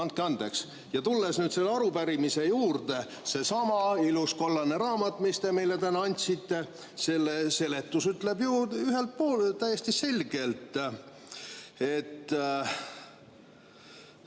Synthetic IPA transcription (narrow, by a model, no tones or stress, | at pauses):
ɑnt̪̚keɑnd̪e̞ks | jɑt̪ulːesnyːd̪se̞lːeɑɾupæɾimise̞juːrd̪e̞ | se̞sɑmɑilusko̞lːɑneɾɑːmɑt̪ːˑmist̪e̞mejlet̪ænɑɑnʲt̪ʲsit̪ːˑe̞ | se̞lːese̞le̞t̪ːˑusyt̪ːle̞bjuyɦe̞lt̪̚po̞ːlt̪æjest̪ise̞lʲɡ̥e̞lt̪ˑ | e̞t̪ː